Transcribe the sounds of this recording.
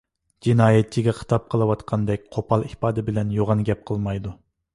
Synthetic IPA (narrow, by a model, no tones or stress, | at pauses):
d͡ʒinɑːjɛt̪̚t͡ʃʰiɡʲɛχʰə̥t̪ʰɑp̚qʰəlˠɨwɑt̪qʰɑnd̪ɛkʲqʰopʰɑlˠihpɑːd̪ɪbɪlɛnjoʁɑnɡʲɛp̚qʰəlˠmɑjd̪u